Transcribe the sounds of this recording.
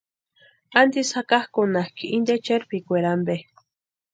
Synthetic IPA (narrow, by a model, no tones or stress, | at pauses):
and̪ishakahkunahkiʔind̪et͡ʃeɾpikʷeɾambe